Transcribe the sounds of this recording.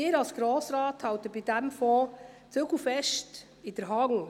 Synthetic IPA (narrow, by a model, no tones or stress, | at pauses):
ɪːɾɑlsɡ̥ɾɔːsɾɑːthɑwtəbidɛmfɔː | t͡søɡ̥l̩fɛʃt | ɪdəɾɦɑŋ